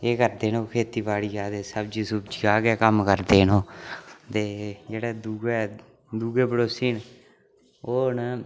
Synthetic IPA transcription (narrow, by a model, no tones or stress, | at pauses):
eːkəɾd̪eːnõːkʰeːt̪iːbaːɭiːaːt̪eːsəbd͡ʒiːsʊbd͡ʒiːaːɡɛːkəmkəɾd̪eːnõːt̪eːd͡ʒeːɽɛːd̪uːɡɛː | d̪uːɡeːbəɽoːsiːn | oːn